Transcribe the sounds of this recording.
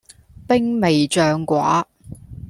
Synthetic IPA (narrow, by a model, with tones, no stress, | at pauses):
pɪ˥ŋme˨jt͡ʃœː˧ŋkʷwa̰ː˨˥